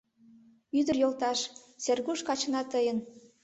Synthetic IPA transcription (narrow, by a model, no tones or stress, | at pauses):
yd̪ərjolt̪ɑʃserɣuʃkɑt͡ɕnɑt̪əjən